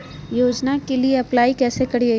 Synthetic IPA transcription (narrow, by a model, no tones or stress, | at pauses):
joːd͡ʒnakelieɐplaːikɛːsekɐɽi